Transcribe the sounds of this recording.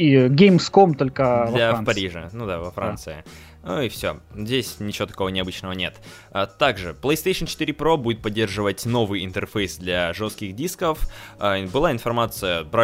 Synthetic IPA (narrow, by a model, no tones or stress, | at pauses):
iɡʲejmskomt̪olʲkəafpɐɾʲiʐɨ̰nud̪avɐfɾa̰nnt̪sɨɪ | uɪfsʲo̰zʲdʲesʲnʲɪt͡ɕɪvo̞t̪ɐ̥ko̞vənʲɪɐbɨt͡ɕnəvənʲet̪ | ət̪aɡʐɨplˠəjst̪ejʂənt͡ɕɪ̥t̪ɨɾʲɪpɾo̞budʲɪt̪̚pɐdʲːerʐɨvətʲno̞vɨjɪnt̪ɨrfejsd̪lʲɐʐo̞st̪̚kʲɪxdʲiskəfbɨlˠaɪnfɐrmat̪sɨjəbɾa